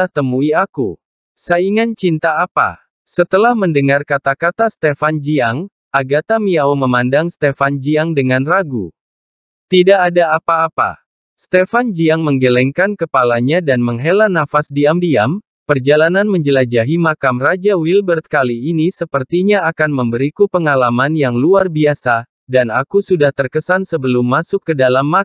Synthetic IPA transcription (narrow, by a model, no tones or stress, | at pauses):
aht̪əmuiaku | saiŋant͡ʃint̪aːpa̰ | sət̪əlahməndəŋarkat̪akat̪ast̪efand͡ʒiaŋ | ʔaɡat̪amiaoməmandaŋst̪efand͡ʒiaŋdəŋanraɡṵ | t̪idaʔːdaːpaːpa̰ | st̪efand͡ʒiaŋməŋɡəlɛŋkankəpalaɲadanməŋɦelanafasdiamdiam | pərd͡ʒalananməɲd͡ʒəlad͡ʒaɦimakamrad͡ʒawilbərt̪̚kaliːnisəpərt̪iɲaakanməmbəɾikupəŋalamanjaŋluarbiasa | danakusudaht̪ərkəsansəbəlʊmːasʊkːədalamːa